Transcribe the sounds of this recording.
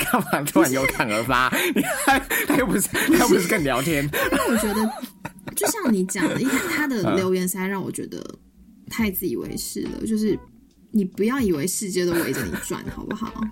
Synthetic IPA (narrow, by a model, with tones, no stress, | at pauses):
kʰɑ˥˩ŋpɑ˨˩ŋʈ͡ʂʰa˧˨˩njo˧˥ʊt̪ʰɑ˨˩ŋə˞˧˥fa˥ni˨˩˥ɪt̪ʰa˥jo˥˩ʊpu˧˥ʂ̩˥˩t̪ʰa˥jo˥˧pu˧˥ʂɻ̩˥˧kə˥˩ŋljɑ˧˥ʊt̪ʰjɛ˦˥nna˥˩wɔ˨˩t͡ɕɥɛ˧˥d̪ə˧t͡ɕjo˥˧ʊɕjɑ˥˩ŋni˨˥t͡ɕjɑ˨ŋi˥t̪ʰa˥˩t̪ʰa˥d̪ə˨ljo˧˥ʊjɛ˧˥nsa˥ɪɻɑ˥˩ŋwɔ̰˨˩t͡ɕɥɛ̰˧˥d̪ə̰˧ | t̪ʰa˥˧ɪt͡sɹ̩˥˩ḭ˨˩wḛ˧˥ɪʂɻ̩̰˥˩d̪ə̰˩t͡ɕjo˥˧ʊʂɻ̩˥˩ | ni˨˩pu˧˥jɑ˥˩ʊi˨˩we˧˥ɪʂɻ̩˥˧t͡ɕjɛ˥d̪ə˧we˧˥ɪʈ͡ʂə˨nḭ˨˩ʈ͡ʂwa̰˨˩nxɑ˨˩ʊpu˥xɑ̰˨˩ʊ